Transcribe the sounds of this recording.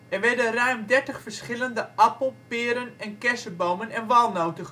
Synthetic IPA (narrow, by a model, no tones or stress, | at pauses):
ɛnʋɛdərɛɥmdɛɹtəxfərsχɪlˠəndəʔɑpəl̩ˠpɪəɾənɛnkɛsəbowmənɛnʋɔlˠnowtəx